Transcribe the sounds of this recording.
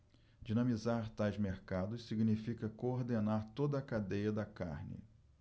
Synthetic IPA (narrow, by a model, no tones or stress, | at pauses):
d͡ʒinɐ̃mizaɾt̪ajzmeɾkad̪ʊssiɡnifikɐkooɾd̪enaɾt̪od̪ɐːkad̪ejɐd̪ɐka̰ɾnɪ̰